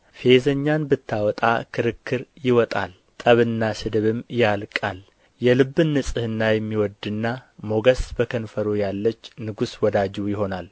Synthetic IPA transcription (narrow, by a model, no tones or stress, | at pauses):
fezəɲːanbɨt̪ʰːawɔt̪ʼa̰kʰɨɾɨkʰːɨɾjɪwɔt̪ʼa̰l | t̪ʼəβɨnːasɨd̪ɨβɨmjalkʼal | jɛlɨbːɨnːɨsʼɨhɨnːajɛmːiwɔd̪ɨnːamo̞ɡəsbəkʰənfəɾojalːət͡ʃːnɨɡuswɔd̪ad͡ʒujɪɦo̞nal